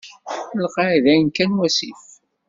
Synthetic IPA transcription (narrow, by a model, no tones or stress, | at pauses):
lqɑðænkænwæsḭf